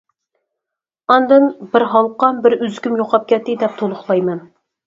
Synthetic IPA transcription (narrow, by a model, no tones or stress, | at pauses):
ɑnd̪ɨnbɪɾɦɑlˠqɑmbɪɾyzkʲymjoqʰɑp̚kʲʰɛt̪ːɪd̪ɛp̚t̪ʰolˠʊχlˠɑjmɛn